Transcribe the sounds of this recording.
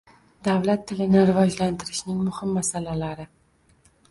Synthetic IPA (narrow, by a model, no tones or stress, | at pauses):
d̪awlat̪ʰːɪlɪnɪɾɪvɒd͡ʒlant̪ɪɾɪʃnɪŋmʊhɪmːasalalaɾɪ